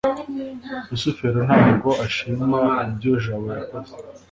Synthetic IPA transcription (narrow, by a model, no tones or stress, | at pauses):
usufeɾon̥haːɡoʔaʃimaibjoʒaβojakoze